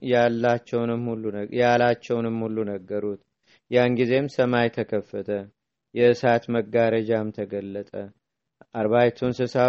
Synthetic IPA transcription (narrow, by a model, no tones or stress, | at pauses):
jalːat͡ʃːɛwnɨmhulːujalat͡ʃːɛwnɨmhulːunəɡːəɾut̪ | jaŋɡize̞msəmajt̪ʰəkʰəfːət̪ʰə | jɛɨsat̪məɡːaɾəd͡ʒamt̪ʰəɡəlːət̪ʼə | ʔaɾβajt̪ʰunsɨsa